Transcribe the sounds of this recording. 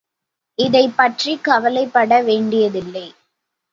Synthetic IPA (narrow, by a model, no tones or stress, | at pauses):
ɪðɐɪpːɐʈrikɐʋɐlɐɪpːɐɽɐʋeːɳɖɪjɐðɪlːɐɪ